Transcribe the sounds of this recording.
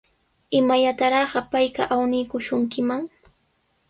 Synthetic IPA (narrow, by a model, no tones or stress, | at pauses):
ɪmajat̪aɾɑɢɑpajkaʔawnɪjkʊʃʊŋkɪmaŋ